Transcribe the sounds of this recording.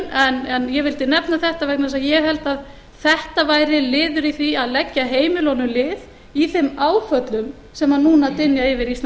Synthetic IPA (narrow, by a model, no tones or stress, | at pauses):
ɛnɛnjɛvɪlt̪ɪnɛpnaθɛht̪avɛknasaðjɛɣɦɛlt̪að | θɛht̪avaːjɾɪlɪːðʏɾiθiaðlɛcːaɦeːjmɪlownʏmlɪːð | iθɪmaːwfœt̪lʏm | sɛmannuːnat̪ɪnjaɪvɪɾist̪